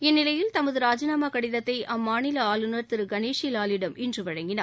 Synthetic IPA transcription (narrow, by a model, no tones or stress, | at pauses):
ɛnːɪlɐjɪlt̪ɐmɐðɯɾaːd͡ʒɐnaːmaːkɐɽɪðɐt̪ːɐɪʔɐmːaːnɪlɐaːlɯnɐɾt̪ɪɾɯɡɐneːʂɪjɪlaːlɪɽɐmʔɪndrɯʋɐɻɐŋɡɪnaː